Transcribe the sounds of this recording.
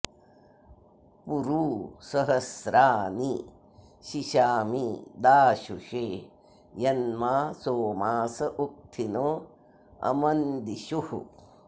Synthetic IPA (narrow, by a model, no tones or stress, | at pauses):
puɾuːsɐɦɐsɾaːni | ʃiʃaːmid̪aːʃuʂeː | jɐnmaːsoːmaːsɐʔuk̚t̪ʰinoː | ɐ̰mɐnd̪iʃuhṵ